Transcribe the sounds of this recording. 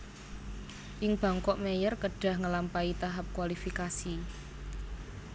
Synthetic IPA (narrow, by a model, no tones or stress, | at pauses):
ʔɪŋb̥a̤ŋkɔʔmejərkəɖ̥a̤hŋəlampait̪aɦap̚kwalifikasi